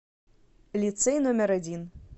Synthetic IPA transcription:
lʲit̪sɛjnomʲɛɾɐdʲin

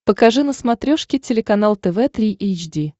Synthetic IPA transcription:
pəkɐʐɨnəsmɐt̪ɾʲoʂkʲɪtʲɪlʲɪkɐnalˠt̪ɛvɛt̪ɾʲiʔejt͡ɕdʲi

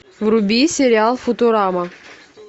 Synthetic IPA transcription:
vrubʲisʲeɾʲɪalˠfut̪oɾɑma

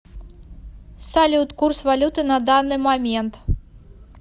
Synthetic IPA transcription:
salʲut̪kursvalʲut̪ɨnɐd̪anɨmamʲɛnt̪

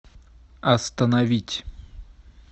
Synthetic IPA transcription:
ɐst̪ənɐvʲitʲ

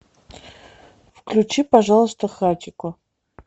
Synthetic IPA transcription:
fklʲut͡ʃipɐʐalˠəst̪əxat̪ʲɪkʊ

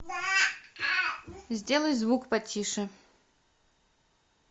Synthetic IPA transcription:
zʲdʲelˠəjzvukpɐtʲʰiʂɨ

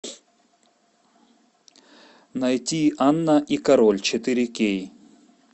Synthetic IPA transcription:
nɐjt̪ʲianːaʔikɐɾolʲt͡ɕʰet̪ɨɾʲikʲej

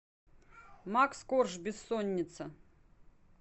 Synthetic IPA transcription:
makskorʒbʲɪsːonʲːɪt̪sʰɐ

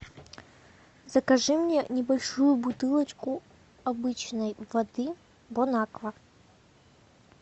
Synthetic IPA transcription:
zɐkɐʐɨmnʲɛnʲɪbɐlʲʂujʊbut̪ɨlˠɐt͡ʃku | abɨt͡ɕnəjvɐd̪ɨ | bɔnakvɐ

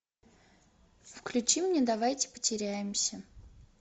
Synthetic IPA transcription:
fklʲʉt͡ɕimnʲed̪ɐvajtʲɪ̥pə̥tʲɪɾʲæjɪmsʲə

